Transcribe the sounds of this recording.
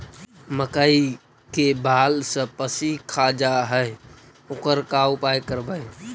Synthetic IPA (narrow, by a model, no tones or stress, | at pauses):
məkaːi | kebaːlsə̃pəsikʰad͡ʒaɦɛe | ʊkəɾkaʊpaːjkəɾbəe